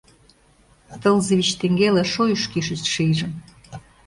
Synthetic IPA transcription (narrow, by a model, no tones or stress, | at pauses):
t̪ə̆lzə̆βʲit͡ɕt̪eŋɡeleʃojyʃkiʃəst̪ʃijʒə̆m